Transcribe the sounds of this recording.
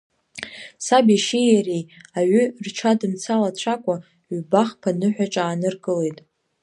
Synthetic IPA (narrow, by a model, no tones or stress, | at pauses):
sabiʃijarijaɥʏrt͡ʃʰadɨmt͡sʰalat͡ɕʷʰakʷʼa | ɥbaχpʰanɨħʷᶣaʈ͡ʂʼaːnɨrɡʼɨle̞jtʼ